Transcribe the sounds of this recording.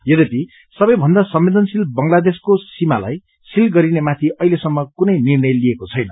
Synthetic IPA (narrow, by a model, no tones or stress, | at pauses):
jʌd̪epi | sʌbʌjbʱʌnd̪asʌmːed̪ʌnsilbʌŋlad̪eskosimala̰j | silɡʌɾinemat̪ʰiʌilesʌmːʌkunʌjnirnʌjliekot͡sʰʌjnʌ